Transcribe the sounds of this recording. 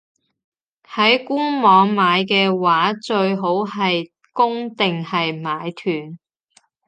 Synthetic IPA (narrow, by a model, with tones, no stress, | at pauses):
hɐ˨˥jkuː˥nmɔː˨˧ŋmaː˨˧jkɛː˧waː˨˥t͡ʃɵ˧ɥɦo˨˥wɦɐ˨j | kʊ˥ŋt̪ɪ˨ŋhɐ˨jmaː˨˧jt̪ʰyː˨˩n